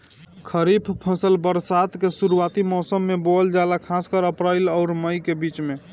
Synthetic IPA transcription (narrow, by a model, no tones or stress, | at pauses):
kʰəɾipʰpʰə̃səlbəɾsat̪kesuɾuat̪imɔsəmːebold͡ʒalakʰaskəɾəpɾajlɔʊɾməjkebit͡ʃme